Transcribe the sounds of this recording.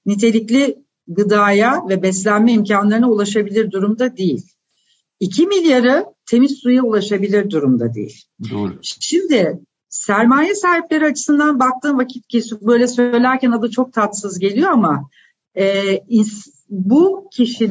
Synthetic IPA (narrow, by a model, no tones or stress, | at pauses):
nit̪ʰe̞lʲiclʲɪ | ɡɯd̪aːjavɛbɛslʲænmɛimcʰanlˠaɾɯnaulˠaʃabilʲiɾd̪uɾumd̪ad̪ejilʲ | icʰimilʲjaɾɯt̪ʰe̞mizsujaulˠaʃabilʲiɾd̪uɾumd̪a̰d̪ḛjḭlʲ | ʃimd̪ɪ | sæɾmaːjɛsaːɦiplʲe̞ɾiat͡ʃʰɯ̥sɯnd̪anbak̚t̪ʰɯːnvacʰit̪̚cisbø̞jlʲɛsø̞jlʲæɾcænad̪at͡ʃʰo̞k̚t̪ʰat̪sɯzɟe̞lʲijo̞ama | ɛːi | bucʰiʃi